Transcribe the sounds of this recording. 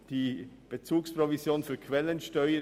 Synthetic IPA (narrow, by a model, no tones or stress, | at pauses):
d̥iːb̥et͡suːkspʁ̥ovizjoːnfyːɐkʰv̥ɛlənʃtœʏə